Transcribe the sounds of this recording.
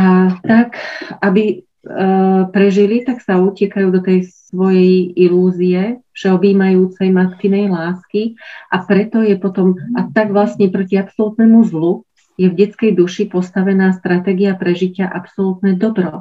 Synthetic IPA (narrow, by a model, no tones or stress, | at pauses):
at̪akabi | pɾɛʒilit̪aksauːcɪɛkajuːd̪ɔt̪ɛjssʋɔjɛjiluːziɛfʃɛɔbiːmajuːt͡sɛjmak̪t̪inɛjlaːskiʔapɾɛt̪ɔjɛpɔt̪ɔmʔat̪aɡʋlasɲɛpɾɔciapsɔlut̪nɛmuzlu | jɛvɟɛt͡skɛjd̪uʃipɔst̪aʋɛnaːst̪ɾat̪ɛːɡiapɾɛʒicɪaʔapsɔlut̪nɛd̪ɔbɾɔ